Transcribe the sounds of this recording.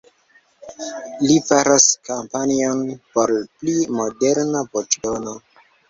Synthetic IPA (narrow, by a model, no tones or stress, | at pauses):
lifaɾaskampanionpo̞ɾplimo̞de̞ɾnavot͡ʃeono